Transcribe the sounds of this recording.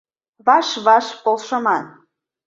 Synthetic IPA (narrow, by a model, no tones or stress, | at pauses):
βɑʃβɑʃpolˠʃɤ̆mɑn